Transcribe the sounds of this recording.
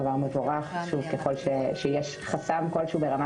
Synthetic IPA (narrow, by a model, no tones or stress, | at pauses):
vaʁmevoʁaχʃuvkeχo̞lʃeʃejeʃ | χasamko̞lʃuːbeʁama